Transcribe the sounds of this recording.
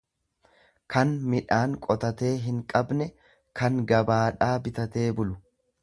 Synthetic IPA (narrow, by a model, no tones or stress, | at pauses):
kʰɐnmɪᶑaːŋkʼɔt̪ɐt̪e̞ːɦɪŋkʼɐbnɛ | kɐŋɡɐbaːᶑaːbɪt̪ɐt̪e̞ːbʊlʊ